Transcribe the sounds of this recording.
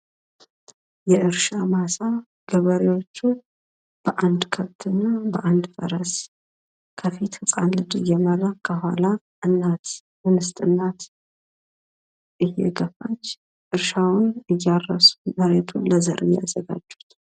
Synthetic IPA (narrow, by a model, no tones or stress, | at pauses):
jɛʔɨɾʃamasa | ɡ̥əβəɾewo̞t͡ʃːu | b̥əʔand̪kʰəβt̪ʰɨnːabəʔand̪fəɾəs | kʰəfit̪hɨsʼanlɨd̪ɨjɛmərakʰːəɦʷala | ɨnːat̪ | mɨnɨst̪ʼɨnːat̪ | ʔɨjːɛ̰ɡəfat͡ʃː | ʔɨɾʃawʊnɨjːarːəsuməɾet̪ʰunləzəɾʔɨjːɛa̰zːəɡa̰d͡ʒːu̥t̪